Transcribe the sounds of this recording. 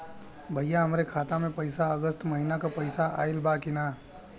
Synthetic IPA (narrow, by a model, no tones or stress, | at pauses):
bʱɐjjaɦɐmɾekʰaːt̪amẽpɐɪsaəɡəst̪mɐɦɪnakapɐɪsaʔa̰ːɪlbaːkɪnaː